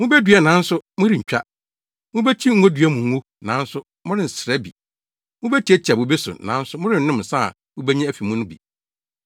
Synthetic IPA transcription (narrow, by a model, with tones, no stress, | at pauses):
mʊ̃˦be˦dɥɛ˦˨nã˨˦n̩˦sʊ˦mʊ̃˦ɾɪ˨ɲ̩ᶣ˨a˦ | mʊ̃˦bɛ˦t͡ɕʰi˦ŋ̩˦ho˦dɥɛ˦mũ˨ŋ˦wu˦ | nã˨˦n̩˦sʊ˦ | mʊ̃˦ɾɪ˦n˨sɾɛ˦bḭ˨ | mʊ̃˦bæ˦tʰi˦æ˦t͡ɕʰi˨a˨bʊ̃˨be˦sʊ̰˨nã̰˨˦n̩˦sʊ˦mʊ̃˦ɾɪ˨n̩˨˦ʊ̃˦msa˦˨ | mʊ̃˦be˦ɲĩ˦æ˦fi˨mũ˦nʊ̃˦bḭ˨